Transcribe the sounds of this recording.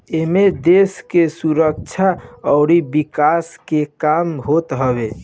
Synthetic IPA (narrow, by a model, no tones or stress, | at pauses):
emed̪eskesuɾək̚t͡ʃʰaəʊɾibikaskekamɦot̪ɦəbe